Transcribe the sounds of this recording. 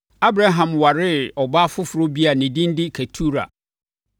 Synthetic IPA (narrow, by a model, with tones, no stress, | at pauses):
a˦bɾa˦ɦã˨mwa˨ɾɪ˦ɔ˨ba˦fʊ˦fʊ˨ɾo˦bi˦a˨nĩ˨dĩ˦n˦dɪ˦kʰa˨tʰu˦ɾa̰˨